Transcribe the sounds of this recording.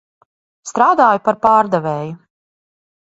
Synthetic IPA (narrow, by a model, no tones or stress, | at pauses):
st̪ɾaːd̪aːjupaɾpaːɾd̪ɛvɛːju